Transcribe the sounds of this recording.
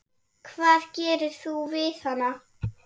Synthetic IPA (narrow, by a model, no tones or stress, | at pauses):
kʰvaːðcɛːɾʏɾ̥θuvɪθhanːa